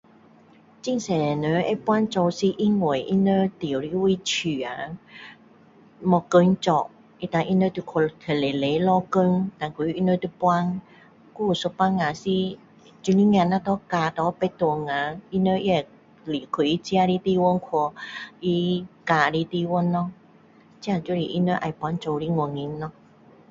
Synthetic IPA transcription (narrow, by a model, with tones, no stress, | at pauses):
t͡ɕi˧ŋsɛ˨˩nə˨˧˦ḛ˧˦pwa˦˥nt͡so˧wsi˧ʔi˧˥ŋwe˨˩˨ʔi˧˦nə˧t̪i˨˩ə˨wɾi˧˦wi˧˦t͡ɕʰy˨˩a˨˧˦ | mɔ˧kə˧˦ŋt͡ɕɔ˧˩ʔ | ʔi˧t̪a˧ŋʔi˧nə˧˦t̪u˧kʰɔ˧t̪ʰə˨le˨˩le˨˦lɔ˧kə˧˦ŋt̪a˨˧˩ku˧˦i˧˦nə˧˦t̪u˧pwa˦˧n | ku˧˦˨so˧pa˧ŋːa˨si˧ | t͡ɕu˧ni˦ŋ˧ã˧˨nã˧t̪ɔ˧˦ka˧t̪ɔ˧˦pe˧˦t̪o˧˨ŋã˧i˧˦nə˧˦ʔi˧˦a˨˩ | li˨˩kʰu˨˩˨ʔi˧˦t͡ɕi˧a˧ɾi˦t̪i˧wo˧˦nkʰɔ˧ʔi˧ka˧ɾi˧˦t̪i˧wɔ˧˦nːɔ˧ | t͡ɕi˧˦a˧t͡ɕu˧˦ɾi˧˨ʔi˧nə˧˦ʔa˧˨jpwa˧˦nt͡ʃo˧wɾi˦ŋɔ˨˧˩ŋi˧˦nnːɔ˧˦